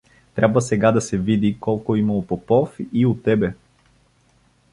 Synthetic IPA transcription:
t̪ɾʔabvəsɛɡad̪ɐsɛvid̪ikɔlˠkoimɐlˠopopɔfiot̪ːɛbɛ

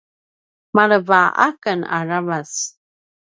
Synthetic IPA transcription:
maɾəvaʔa̰kəna̰ravas

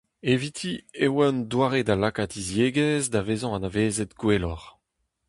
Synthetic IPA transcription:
evit̪ʰiewand̪waːʁedalakatizjeːɡɛzd̪aveːzɔ̃anaveːzet̪ɡwelɔʁ

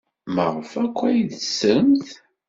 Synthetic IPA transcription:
məʁəfækʷːæjðəsːəmθ

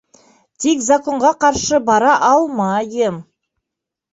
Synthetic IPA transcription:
t̪ʰekzako̞ɴʁɑqʰɑɾʃəbɑɾɑʔɑlˠmɑjəm

